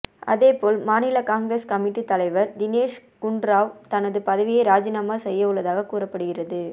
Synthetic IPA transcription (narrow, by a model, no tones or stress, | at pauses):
ɐ̰ðeːpoːlmaːnɪlɐkaːŋɡɾeskɐmɪʈːit̪ːɐlɐɪʋɐɾd̪ɪneːʂkʊɳɖɾaːʋt̪ɐnɐðɯpɐðɐʋɪjeɪɾaːd͡ʒɪnaːmaːsɛjːɐʋɯɭːɐðaːɣɐkuːrɐpːɐɽɯɣɪrɐðɯ